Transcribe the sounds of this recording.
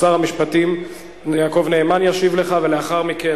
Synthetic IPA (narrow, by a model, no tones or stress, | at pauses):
saʁhamiʃpatim | jaːko̞vne̞ːmanjaʃivle̞χavele̞aχaʁmike